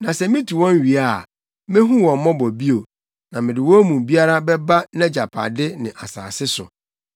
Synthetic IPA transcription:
nã˨sɛ˨mɪ̃˦tʰu˨wɔ̃˦n˦ɥi˨a˦˨ | mɪ̃˦ɦũ˦wɔ̃˨m˨mɔ̃˦bɔ˨bi˦o˨ | nã˨mɪ̃˨dɪ˨wɔ˦mũ˨bi˦a˦ɾa˦bɛ˦ba˦nɛ̃˦d͡ʑa˨pʰa̰˨dɪ˦nɪ̃˨ʔa̰˨sa̰ː˨sɪ˦sʊ̰˨

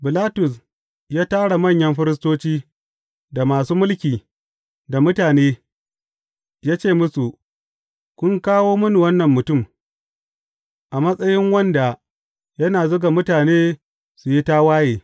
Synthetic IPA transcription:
bɪ˨laː˦tʊ˨s̬ | jaː˦taː˦ɽa˨mɐ˦˨ɲjɐ˦mɸɪ˦ɾɪ˦s̬toː˦t͡ʃiː˦ | da˨maː˨suː˦mʊ˦lkʲiː˨ | da˨mʊ˦taː˨neː˦ | jaː˦t͡ʃeː˦˨mʊ˦su˨ʔ | kʷʊ˦ŋkaː˦woː˦mʊ˦nu˨wɐ˦nːɐ˨mːʊ˨tʊ˦˨m | ʔa˨mɐ˦sʼɐ˦jɪ˦ŋwɐ˦nda˨ | jɐ˦naː˨zoː˦ɡa˨mʊ˦taː˨neː˦ | su˨ji˦ta˦waː˦jeː˨

